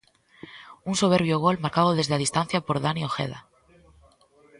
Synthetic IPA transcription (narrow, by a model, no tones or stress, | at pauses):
unsoβ̞eɾβjoɣolmaɾkaðoð̞ezðað̞ist̪an̟θjapoɾðanioxḛða̰